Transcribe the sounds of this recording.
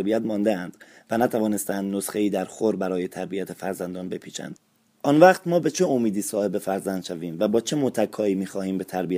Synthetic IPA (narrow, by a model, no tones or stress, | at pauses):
bijæt̪mɒːnd̪eænd̪̥ | vænæt̪ʰævɒːne̞st̪ænd̪nosχeiːd̪æɾxoɾbæɾɒːje̞t̪ʰæɾbijæt̪ʰefæɾzænd̪ɒːnbe̞pʰiːʃæ̰nd̪̥ | ʔɒːnvæːqt̪mɒːbe̞t͡ʃʰeomiːd̪iːsɒːhe̞be̞fæɾzænd̪ʃæviːmvæbɒːt͡ʃʰe̞mot̪ʰækʰːɒːiːmiːxɒːhiːmbe̞t̪ʰæɾbiæ